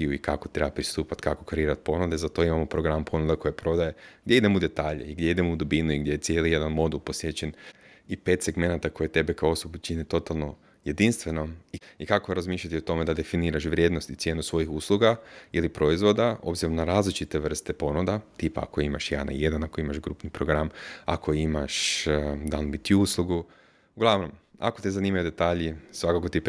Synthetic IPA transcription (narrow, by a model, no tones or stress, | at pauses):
iuikako̞t̪ɾebapɾist̪uːpat̪kako̞̥kaɾiːɾat̪̚po̞nud̪ezat̪o̞imamopɾoɡɾampʰo̞nud̪ako̞jepɾo̞d̪ajeɡd̪ʲjeid̪e̞moud̪e̞t̪aːʎḛiɡd̪jeid̪e̞moud̪obinuiɡd̪jeet̪sjelije̞d̪anmo̞d̪ulˠpo̞sʋje̞t͡ɕen | ipe̞ːt̪se̞ɡme̞nat̪ako̞jet̪e̞bekaoo̞sobut͡ʃinet̪o̞t̪alˠno̞ | je̞d̪inst̪ʋe̞nomiikakoɾazmiːʃʎat̪iot̪o̞me̞d̪ad̪e̞finiːɾaʃʋɾje̞d̪nost̪it̪sje̞ːnusʋo̞jixuslˠuɡailipɾo̞izʋo̞d̪ao̞̰bziɾo̞mnaɾaːzlit͡ʃit̪eʋr̩st̪e̞po̞nud̪at̪ipa̰a̰koimaʃjana̰je̞d̪anako̞imaʒɡɾuːpnipɾoɡɾama̰kʰo̞imaʃd̪anbit̪uuslˠuɡu | uɡlˠaʋno̞ma̰ko̞t̪izanimajud̪e̞t̪aːʎisʋakakot̪ip